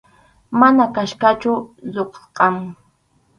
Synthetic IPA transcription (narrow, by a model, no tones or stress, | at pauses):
manakaʃkat͡ʃʊzoqsqɑŋ